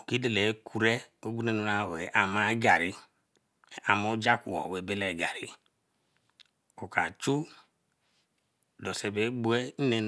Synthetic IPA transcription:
o˨ki˦de˦˨le˨˦kʰu˨ɾe˦o˦ɡ͡bu˦ne˦nu˨˦ɾa˨we˨ʔa˨ma˦ɡa˨ɾi˦˨ | a˨mo˦d͡ʒa˦ku˨wɔ̰˨we˨be˦lɛ˨ɡa˨ɾi˦ | o˨ka˨t͡ʃu˦ | dɔ˨se˨be˨˦bu˦e˦ne˦n

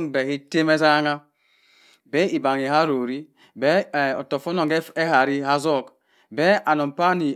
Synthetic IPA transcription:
ŋbɛ˨ki˦te˦me˦za˦ŋa˦ | bɛ˦i˨ba˨ŋi˨ha˦ɾo˨ɾi˦ | bɛ˦˨ɔ˨tɔ˨fɔ˦nɔ˨ŋɡe˦ha˨ɾi˦ha˦zɔ˦˨k | bɛ˦a˨nɔ˨m˨pa˦ni˨

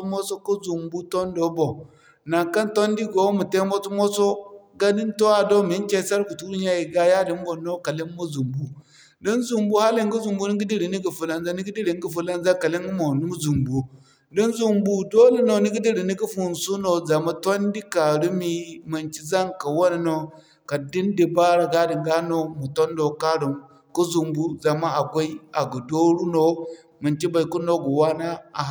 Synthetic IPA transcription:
mo˦so˦ku˦zu˨mbu˦to˦ndo˨˦bo˨ | na˨ŋka˦nto˦ndi˦ɡo˨˦mu˨te˦mo˦t͡so˦mo˦so˦ɡa˦di˦nto˦a˨do˦mi˨˦nt͡ʃe˦˨sa˦ɾku˨tu˦ɾu˦ɲa˦ji˨ɡa˦ja˦di˨˦m˦bo˨no˦ka˨li˦mmo˦zu˨mbu˦ | di˦nzu˨mbu˦ha˦li˦ŋ˦ɡu˦zu˨mbu˦ni˦ɡi˦di˦ɾi˨ni˦ɡi˨fu˨la˨nza˦ni˦ɡi˦di˦ɾi˨ŋ˦ɡi˦fu˨la˦nza˦ka˨li˦ŋ˦ɡi˦mo˨nu˦zu˨mbu˨ | di˦nzu˨mbu˨do˦le˨no˨ni˦ɡi˦di˦ɾi˨ni˦ɡi˦fu˨nsu˦no˨za˨ma˦ta˦ndi˦ka˨ɾu˦mi˦mi˨nt͡ʃi˦za˦ŋka˨wo˦na˨no˨ | ka˨di˦ndi˨ba˦ɾa˨ɡa˦di˨ŋɡa˦no˦mu˨to˦ndo˨ka˦ɾi˨m | ku˦zu˨mbu˦za˨ma˦a˨kʷa˦i˦a˨ɡu˨do˦ɾu˦no˨ | mi˨nt͡ʃi˦ba˨i˨ku˦no˦ɡu˨wa˦na˦a˨˦

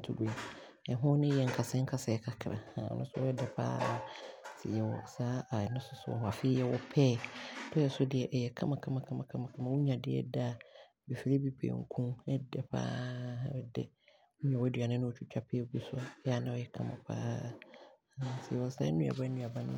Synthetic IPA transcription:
tʰu˨ɡe˨ | ɛ˨ɦʊ̃˦nɪ̃˦jɛ˨ŋ̩˦kʰa˨sɛ˦ŋ̩˦kʰa˨sɛ˨kʰa˨kʰɾa̰˨a̰˨nʊ̃˦sʊ˦ɔ˦ɛ˦dɛ˨pʰã̰ː˦˨sʰɪ̰˨jɛ˨wɔ̰˨saː˦a˨nʊ̃˦sʊ˦sʊ˦ɔ̰˨ɦɔ˨a˨fɪ˦jɛ˦wɔ˦pʰɛː˦tʰɔ˦jɛ˨sʊ˦dɪ˨ɛ˨ʔɛ˨jɛ˨kʰã˦mã˨kʰã˦mã˨kʰã˦mã˨kʰã˦mã˨kʰã˦mã˨wʊ˦ɲã˨dɪ˦ɛ̰˦da˦˨ | bɛ˨fi˨ɾe˦bi˦pʰḛ˨ŋ̩˨kʰũ˦mɛ˦dɛ˨pʰa̰ː˦ɛ˨dɛ̰˦ | ɲã˨wɔ˦dɥa˨nɪ̃˦nʊ̃˦o˨t͡ɕᶣʰu˦t͡ɕᶣa˦pʰɛ˦ɡu˦sʊ˦a˦ɛ˦a˨nã˦ɔ˨jɛ˨kʰã˦mã̰˨pʰa̰ː˦˨ | sɪ˨ɛ˨wɔ˨sa̰ː˦ɛ˦nũ˦a̰˨ba˦nũ˦a˨ba˦nʊ̰̃˦

